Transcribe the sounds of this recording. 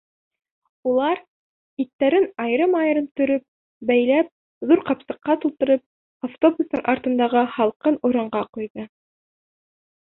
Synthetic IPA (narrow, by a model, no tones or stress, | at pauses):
ulˠɑɾ | it̪ːæɾɘnɑjɾɤmɑjɤ̆ɾɤnt̪ɵ̆ɾɵp̚ | bæjlæp̚ | ðuɾqɑpsɤ̆qːɑt̪ulˠt̪ɤ̆ɾɤp̚ | aft̪o̞bust̪ɤŋʔɑɾt̪ɤ̆nd̪ɑʁɤhɑlˠqɤnuɾɑɴɢɑqujðɤ